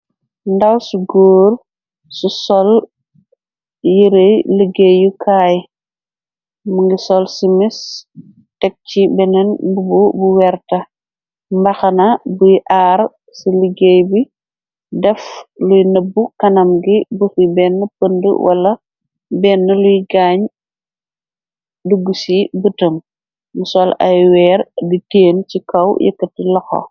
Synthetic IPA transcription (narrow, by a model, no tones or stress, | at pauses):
ndɐwsuɡoːr | susɔl | jiɾejləɡejukʰaːj | muŋɡisɔlsimis | tɛk̚t͡ʃibɛnɛnbububuwɛɾtɐ | mbɐxɐnɐbujʔaːr | siliɡejbi | dɛflujnɐbːukɐnɐmɡibuxibɛːnːəpəndə̰wɐ̰lɐ | bɛːnːɐlujɡaːɲ | duɡːusibətəm | musɔlɐ̰jwɛːɾditeːncikɐwjə̰kːət̚ːilɔxɔ̰